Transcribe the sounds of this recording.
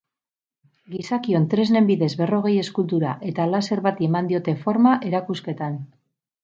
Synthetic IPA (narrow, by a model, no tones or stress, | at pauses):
ɡisakio̞nt̪ɾe̞zne̞mbiðe̞zβe̞ro̞ɣ̞e̞je̞skult̪uɾa̰ʔe̞t̪alase̞ɾβat̪ie̞mand̪io̞t̪e̞fo̞ɾmaʔe̞ɾakuske̞t̪an